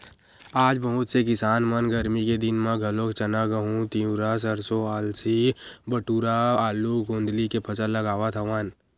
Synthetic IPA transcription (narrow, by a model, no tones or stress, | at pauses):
aːd͡ʒbɐɦʊt̪sekɪsaːnmənɡəɾmiked̪ɪnmãɡʱɐlokt͡ʃɐnaɡəɦũt̪iũɾas̬ɐɾsoaːlsibəʈuːɾaaːluɡʱõːnd̪likepʰɐsələɡaːʋat̪ʰɐʋaːn